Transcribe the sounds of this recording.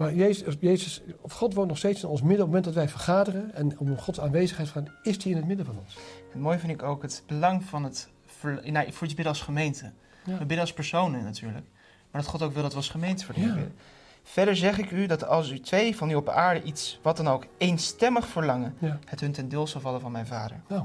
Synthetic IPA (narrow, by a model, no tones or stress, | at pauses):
maːjejejzəsχɔtʋowntnɔχstejtsɪnɔnsmɪdɔpmːmɛntdɑtʋɛjvəɹχaːdərənɛnχɔtsaːnʋejzəχɛjtfə̥χaːdəɪstiɪnɦətmɪdəvɑnɔnshətmoːjvɪndɪkowkɦətbəlɑŋvɑnət | fəɹnafʊɹibɪdəɑlˠsχəmejntə | əbɪdəɑlˠspɛɹsownənatyːɹlək | maːɹdɑtχɔtowkʋɪlˠdɑtʋəɑsχəmejntəvəːɹdiɪ̰də | v̥ɛɹdəɹzɛχɪkydɑtɑlˠsytʋejvɑnyɔp̚aːɹdəʔitsʋɑt̚dɑnowkejnstɛməχfəɹlɑŋənhətɦɵntɛndɪːlˠsɑlˠvɑləvɑnmɛjnvaːdə̰ɹ